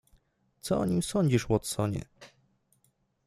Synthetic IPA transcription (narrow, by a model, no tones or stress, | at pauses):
t̪sɔɔɲimsɔɲd͡ʑiʂwɔt̪sɔɲɛ̰